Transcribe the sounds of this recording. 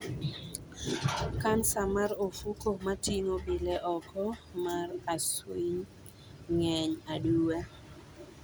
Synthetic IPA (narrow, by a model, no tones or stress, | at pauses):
kansamaɾofukomatiŋobɪlɛʔɔkʰɔmaraswiɲ | ŋɛɲaduwa